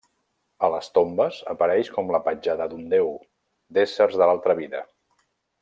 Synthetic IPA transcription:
ələst̪ombəzə̰pəɾɛʃkɔmləpəd͡ʒaðəd̪und̪ew | d̪esərzðəlalˠt̪ɾəβiðə

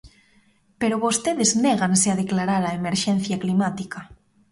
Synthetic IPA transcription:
peɾoβost̪eðezneɣ̞anseaðeklaɾaɾaemeɾʃenθjaklimat̪ika

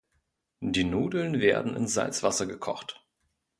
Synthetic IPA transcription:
diːnuːdl̩nveːɐdn̩ɪ̰nsz̥a̰lt͡sv̥asɐɡəkʰɔ̰χt

